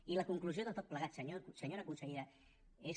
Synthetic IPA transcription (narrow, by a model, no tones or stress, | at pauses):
iləkuŋklusjoðət̪ot̪pləɣat̪səɲosəɲoɾəkunsəɣiɾa | es